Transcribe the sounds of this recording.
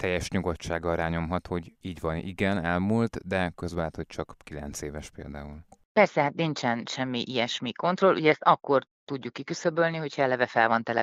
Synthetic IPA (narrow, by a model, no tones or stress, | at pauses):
t̪ɛjːɛʃɲuɡott͡ʃːaːɡɒlɾaːɲo̞mɦɒt̪ho̞ɟiːɟʋvɒnḭɡɛnɛlmult̪d̪ɛkøzbɛlɦɛːt̪ho̞c̚t͡ʃɒkkilɛnt̪seːvɛʃpeːld̪aːulpɛrsɛɦat̪nint͡ʃɛnʃɛmːiʔijɛʃmiko̞nt̪ro̞lʔṵɟɛɛst̪ɒkːo̞rt̪uɟːukːikysøbølniho̞chɒɛlɛvɛfɛlvɒnt̪ɛlɛ̰